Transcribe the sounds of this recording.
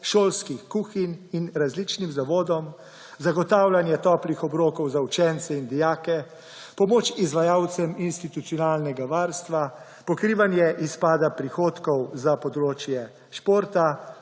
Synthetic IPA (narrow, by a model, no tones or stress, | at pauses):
ʃoːlskixkuxininɾazlit͡ʃnimzaʋoːd̪ɔm | zaɡɔt̪aːwlanjɛt̪ɔːplixɔbɾoːkɔwzaut͡ʃɛnt̪sɛind̪ijaːkɛ | pɔmoːt͡ʃizʋajaːwt̪sɛminst̪it̪ut̪sijɔnaːlnɛɡaʋaːɾst̪ʋa | pɔkɾiːʋanjɛʔispaːd̪apɾixoːt̪kɔwzapɔd̪ɾoːt͡ʃjɛ | ʃpoːɾt̪a